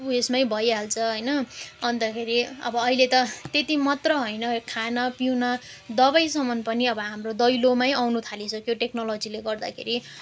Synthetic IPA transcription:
ʌbuesmajbʱʌjɦalt͡sʰʌɦʌjnʌʌnt̪ʌkʰeɾiʌ̰bʌːɦilet̪ʌt̪et̪imʌt̪rʌɦojnʌkʰanʌpiwnʌ | d̪ʌbʌjsʌmʌnpʌniʌbʌɦamrod̪ʌjlomajawnut̪ʰalisʌkjoʈeknolod͡zileɡʌrd̪a̰kʰḛɾi

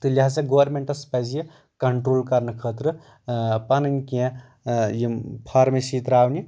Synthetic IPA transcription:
t̪ɨlʲiɦt͡sɐɡoʋɐɾmeɳʈɐspɐzji | kɐɳʈɾoːlkɐɾnɨkʰəːt̪ɾɨ | pɐnɐnkiɛ̃ | jipʰaːɾmesiːt̪ɾaːwnʲi

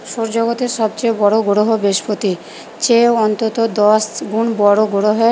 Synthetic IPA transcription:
ʃoɾd͡ʑoɡot̪eɾʃɔb̚t͡ɕebɔɽoɡoɽoɦobeʃpot̪i | t͡ɕeoɔnt̪ot̪od̪ɔsɡunbɔɽoɡoɽoɦoe

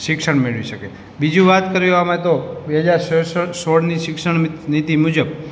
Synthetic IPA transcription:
ʃɪkʃəɽmeɭʋiʃəke | bid͡ʒũʋat̪kəɾijamaet̪obeɦəd͡ʒaɾssoɽniʃɪksəɳnit̪imud͡ʒəb̚

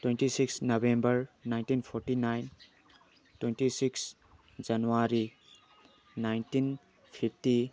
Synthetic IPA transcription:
twenʈisiksnʌbembʌɾnajnʈinpʰoɾʈinajn | twenʈisiks | d͡ʒʌnuwaɾi | najntin | pʰip̚ʰʈi

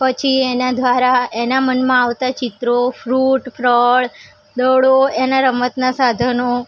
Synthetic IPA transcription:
pət͡ʃʰienad̪ʱʋaɾaenamənmãaʋt̪at͡ʃɪt̪ɾofʰɾuʈpɾəɭ | d̪əɭoenaɾəmət̪nasad̪ʱəno

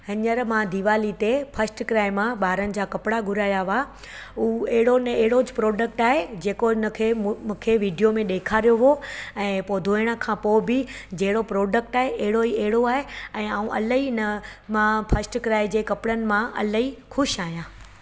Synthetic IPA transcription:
ɦɐɲəɾmãd̪iːʋaːlit̪efʰɐsʈkɾaːɪmãɓaːɾənɪ̆d͡ʑaːkɐpɪɽaɡʱʊɾaːjaʋaː | uːɛɦɪɽonɐeɦɪɽod͡ʑɪpɾɔːɖək̚ʈaːɦed͡ʑeːkoɪnə̆kʰẽũːkʰeʋiːɖijomẽɗeːkʰaːɾijoʋoɛ̃ːpoːd̪ʱoːɪɽ̃ə̆kʰãːpoːbɪd͡ʑɐɦɪɽopɾoːɖək̚ʈaːɦeʔɐɦɪɽoiɛɦɪɽoaːɦeɛ̃ːaːũʔɐ̰ləɦinəmãfʰɐsʈkɾaːɪd͡ʑeːkɐpɽənɪ̆mãʔɐ̰ləɦixʊʃaːɦijãː

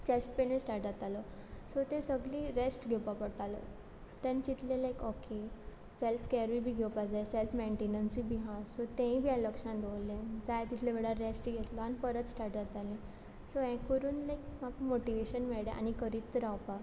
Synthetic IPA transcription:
t͡ɕesʈ̚penẽsʈaɾʈd͡zat̪alɔsot̪ẽsəɡliɾesʈɡʱewpapəɽt̪alɔ̰ | t̪ɛ̃nt͡ɕit̪ʰlẽlajkɔke | selfkɛɾʋibʱiːɡʱewpad͡zajselfmeɳʈenənsibiɦãsot̪ɛ̃ĩbʱijãləkʂãnd̪olẽd͡zajat̪it̪ʰlẽʋeɽaɾesʈɡʱet̪lɔanipəɾət͡s̪sʈaɾʈd͡zat̪alẽ | soɛ̃kəɾuːnlajkm̤aɡmoʈiʋeɕənmeɭɽeʔa̰ñikəɾit̪ːəɾawpa

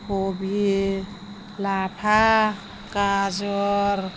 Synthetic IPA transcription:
kobʱi | lapʰa | kad͡ʒɔɾ

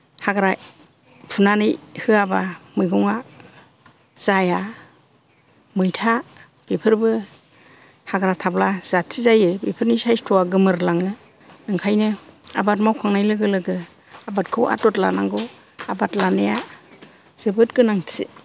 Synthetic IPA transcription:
haɡɾa | pʰunanɯjhɯabamɯjɡɔŋa | z̥aja | mɯjtʰa | bepʰɯɾbɯ | haɡɾatʰablaz̥atʰizajɯbipʰɯɾnisajstʰɔwaɡɯmɯɾlaŋɯ | nɯŋkʰajnɯabat̬̚mawkʰaŋnajlɯɡɯlɯɡɯ | abatkʰɯwa̰tɔtla̰naŋɡɔ | abatlaneja | z̥ɯbɯtɡɯnaŋtʰḭ

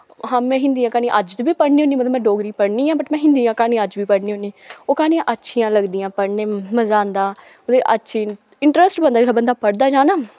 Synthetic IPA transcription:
ɦãːmɛ̃ːɦɪ̃nd̪iːãːkaːnĩːʔəd͡ʒt̪biːpəɽniːõːniːmət̪ləmɛ̃ːɖoːɡɾiːpəɽnĩːãːbəʈmɛ̃ːɦɪnd̪iːjãːkaːnĩːəd͡ʒbiːpəɽniːɦoːniːoːkaːnĩːãːʔətːʃʰiːãːləɡd̪iːãːpəɽneːməzaːnd̪aː | od̪eːʔətːʃʰiː | ɪɳʈɾəsʈbənd̪aːelaːbənd̪aːpəɽd̪aːd͡ʒaːnaː

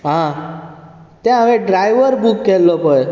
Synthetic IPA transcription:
ɦã | t̪ɛ̃ɦaʋẽɖɾajʋəɾbukːɛlːɔpəj

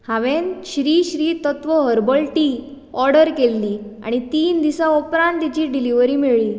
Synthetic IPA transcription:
hãʋenɕɾiːɕɾiːt̪ət̪ʋəɦəɾbəlʈiː | ɔɾɖəɾkelːiːa̰ɽ̃it̪iːnd̪isaopɾãɳt̪it͡ɕiːɖiliʋəɾiːmiɭiː

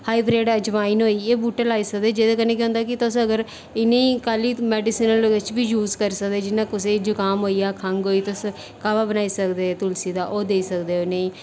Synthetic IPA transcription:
haːiːbɾeːɖəd͡ʒʋaːiːnɦoːiːeːbuːʈəlaːiːsək̚d̪eːd͡ʒeːd̪eːk̬ənẽːk̬ẽɦʊ̃nd̪aːkɪt̪ʊsəɡəɾ | ɪnːeiːkaːliːmɛːɖiːsiːnəlɪt͡ʃbiːjuːzkəɾiːsək̚d̪eːd͡ʒɪnːãːkʊs̬eːd͡ʒʊkaːmɦoːiːaːkʰəŋɡɦoːiːt̪ʊs | kaːʋaːbənaːiːsəkd̪eːt̪ʊlsiːd̪aːʔoːd̪eːiːsəkd̪eːoneiː

